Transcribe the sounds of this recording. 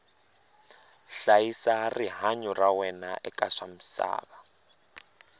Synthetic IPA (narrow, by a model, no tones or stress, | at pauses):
ɬaisariɦaɲurawɛnaʔɛkʼaʂam̩sa̰ːβa